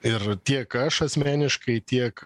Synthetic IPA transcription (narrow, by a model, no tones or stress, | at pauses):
ɪrt̪ʲiɛkɐʃɐsʲmʲæːnʲɪʃkɐɪt̪ʲiɛk